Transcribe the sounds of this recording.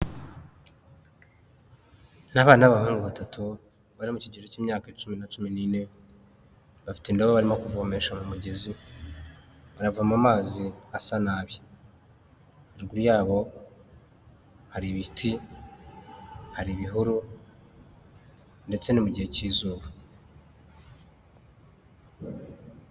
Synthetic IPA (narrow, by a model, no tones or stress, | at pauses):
naβaːnaβahuːŋɡuβatatʰu | βaɾimuciɟeɾeciːmɲaːkaet͡ʃuminat͡ʃuminine̞ | βafi̥tendoβaβaɾimo̞kuvoːme̞ʃamumuɟe̞zi | βaɾavuamamaːziasanaːβjo | haɾiɾɡuɾjaːβo̞ | haɾiβitʰi | haɾiβiɦuɾu | nde̞t͡se̞nimuɟihe̞ciːzuːβa